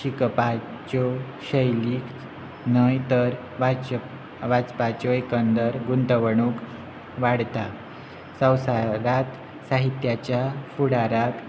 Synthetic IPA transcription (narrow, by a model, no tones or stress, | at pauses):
ɕikpa | t͡ɕo | ɕəjliːk | nəjt̪əɾ | ʋa | ʋat͡spat͡ɕɔekənd̪əɾɡunt̪əʋəɳuk | ʋaɽt̪a | sə̃wsaɾat̪ | saɦit̪jat͡ɕjafuɽaɾak